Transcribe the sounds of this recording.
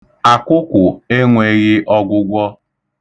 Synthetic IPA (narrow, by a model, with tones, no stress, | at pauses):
a˨kʷʊ˦kʷʊ˨e˦ŋʷe˨ɣɪ˦ʔɔ˦ɡʷʊ˦ɡʷɔ˦